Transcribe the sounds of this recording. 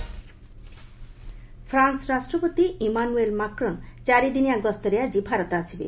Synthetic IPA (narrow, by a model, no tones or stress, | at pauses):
fʰɾansɾasʈɾopot̪iimanuelmakɾont͡ɕaɾid̪iniaɡɔst̪oɾead͡ʑibʱaɾot̪asʰibḛ